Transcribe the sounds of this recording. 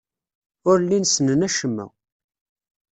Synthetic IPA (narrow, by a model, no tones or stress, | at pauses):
ʊɾlːinsənənæʃəmːæ̰